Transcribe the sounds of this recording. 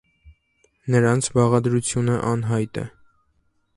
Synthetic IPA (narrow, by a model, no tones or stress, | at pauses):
nəɾɑnt͡sʰbɑʁɑd̪ɾut͡sʰjunəʔɑnɦɑjt̪ɛ̰